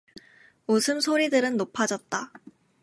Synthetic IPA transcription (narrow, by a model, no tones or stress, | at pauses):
osʰɯmsʰoɾidɯɾɯnːopʰad͡ʑʌt̚t͈a